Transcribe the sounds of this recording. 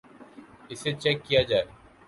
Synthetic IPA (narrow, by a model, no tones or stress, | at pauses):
ɪset͡ʃɛkːijad͡ʒaːe